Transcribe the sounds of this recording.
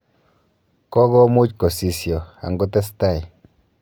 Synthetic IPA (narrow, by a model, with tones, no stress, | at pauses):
kɔ˦ɣɔ˦mu˦t͡ʃkɔ˨si˨sjɔ˨a̰˨ŋɡɔ˦t̪ɛ˦st̪a˦˨j